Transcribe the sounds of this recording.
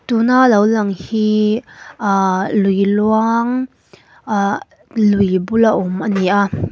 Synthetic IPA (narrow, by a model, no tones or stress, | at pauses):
t̪unalowlɐŋhi | lujluaŋ | lujbulaʔumʔaniʔa